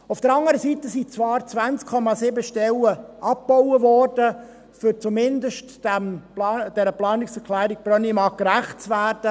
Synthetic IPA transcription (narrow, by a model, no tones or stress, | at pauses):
ʊfd̥əɾɑŋəɾəsiːt̪əsit͡svɑːɾt͡svænt͡skʰːɔmɑsɪbəʃtɛləʔɑp̚pɔwəvɔːrd̥ə | fʏɾt͡sumɪndəʃtː | æmːd̥ɛɾəplɑːnɪksɛɾkʰlæːɾɪk̚b̥ɾœnimɑːkɾæχtt͡svæːɾd̥ə